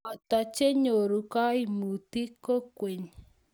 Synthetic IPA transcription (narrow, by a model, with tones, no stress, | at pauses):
a˨t̪a˨t͡ʃe˦ɲo˨ɾu˨ka˦i˦mu˨t̪i˦ko˦kʷe˨ɲ